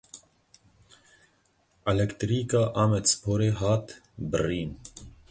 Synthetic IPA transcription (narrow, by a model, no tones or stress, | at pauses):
ɛlɛkt̪ɾikɑʔɑːmɛt͡spʰoːɾeɦɑːt̪ | bə̰riːn